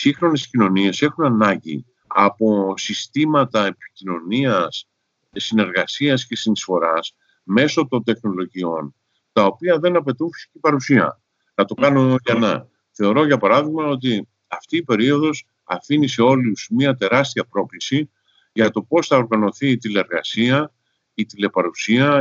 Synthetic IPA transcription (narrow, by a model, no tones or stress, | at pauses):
sixɾo̞ne̞scino̞nie̞se̞xunɐnɐɲɟḭ | ɐ̰po̞sist̪imɐt̪ɐe̞pi̥cino̞niɐs | sine̞ɾɣɐsiɐsce̞sinisfo̞ɾɐs | me̞so̞t̪o̞nt̪e̞xno̞lo̞ʝio̞n | t̪ɐo̞piɐðe̞nɐpe̞t̪ufi̥se̥cipɐɾusiɐ̰ | θɐt̪o̞kɐno̞ʝɐnɐ̰ | θe̞o̞ɾo̞ʝɐpɐɾɐðiɣmɐo̞t̪̬i | ɐft̪iːpe̞ɾio̞ðo̞s | ɐ̰finise̞o̞luz̥miɐt̪e̞ɾɐst̪iɐpɾo̞klisi | ʝɐt̪o̞po̞sθɐoɾɣɐno̞θiːt̪ileɾɣɐsiɐ | it̪ile̞pɐɾusiɐ